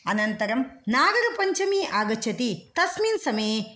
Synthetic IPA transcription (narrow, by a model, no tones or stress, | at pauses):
ɐnɐnt̪ɐɾɐmnaːɡɐɾɐpɐɲt͡ʃɐmiʔaːɡɐt͡ʃʰɐt̪it̪ɐsminsɐmeː